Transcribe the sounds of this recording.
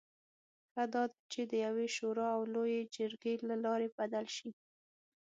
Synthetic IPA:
xad̪ɑd̪at͡ʃed̪əjaweʃoɾɑawlojed͡ʒəɾɡelalɑɾebad̪alʃi

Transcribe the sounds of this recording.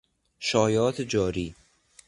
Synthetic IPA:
ʃɒːjɒːt̪ʰed͡ʒɒːɾiː

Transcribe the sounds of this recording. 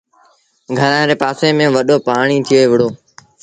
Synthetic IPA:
ɡʱəɾãːɾeːpaːseːmẽːʋəɗoːpaːɳ̃iːt̪ʰɪjoːeːʋɪɽoː

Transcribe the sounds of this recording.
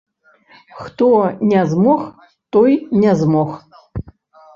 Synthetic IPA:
xt̪ɔnʲɛzmɔx | t̪ɔjnʲɛzmɔx

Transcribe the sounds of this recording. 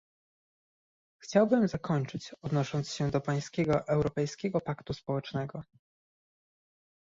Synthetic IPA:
xt͡ɕawbɘmzakɔɲt͡ʂɘt͡ɕɔd̪nɔʂɔnt̪sɕɛd̪ɔpaj̃skʲɛɡɔʔɛwɾɔpɛjskʲɛɡɔpakt̪uspɔwɛt͡ʂnɛɡɔ

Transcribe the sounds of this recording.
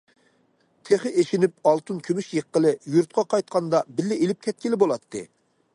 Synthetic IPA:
t̪ʰeχɪʔeʃinyp̚ɑlˠt̪ʰɨnkʲʰømyʃjəqːəlˠɨjuɾt̪̚qʰɑqʰɑjt̪̚qʰɑnd̪ɑbɪlːɪʔelɪp̚kʲʰɛt̪̚kʲilɪbolˠɑt̪ʰːɨ̰

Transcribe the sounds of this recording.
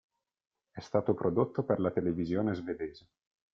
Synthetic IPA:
ɛst̪aːt̪opɾʔod̪ot̪ːoperlat̪elevizjoːnezved̪eːze

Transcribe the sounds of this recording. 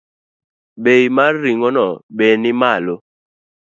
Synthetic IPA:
ɓeimaɾiŋɔnɔɓenimalo

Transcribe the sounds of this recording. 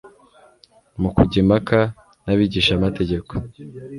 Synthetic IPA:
mukuɟimaka | naβiɟiʃamate̞ɟe̞ko̥

